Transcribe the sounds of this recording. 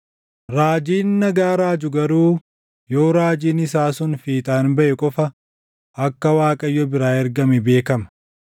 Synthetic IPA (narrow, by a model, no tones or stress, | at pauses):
ɾaːd͡ʒiːnːɐɡaːɾaːd͡ʒʊɡɐɾuː | jo̞ːɾaːd͡ʒiːnɪsaːsʊnfiːt̪ʼaːnbɐʔɛkʼɔfɐ | ʔɐkːɐwaːkʼɐjːɔbɪɾaːɛɾɡɐmɛbe̞ːkɐmɐ